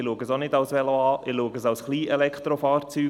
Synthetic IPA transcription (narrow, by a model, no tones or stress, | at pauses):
ɪluəɡəsonɪdawsʋɛloɑːʔɪluːəɡəsawsχliːʔɛlɛkt̪ɾofɑːɾt͡syː